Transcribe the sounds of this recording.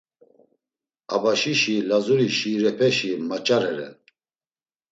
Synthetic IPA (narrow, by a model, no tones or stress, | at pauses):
abaʃiʃilazuɾiʃiːɾɛpʰɛʃimat͡ʃʼaɾɛɾɛ̰n